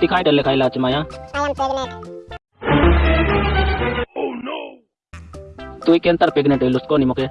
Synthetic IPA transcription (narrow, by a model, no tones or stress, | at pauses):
t̪ɪkʰaːĩɖəlːekʰaːilaːt͡ʃəmaːjãːanpadla | t̪ʊːikẽːnt̪əɾpɪɡnẽːt̪eilʊst̪̚koːniːmokʰeː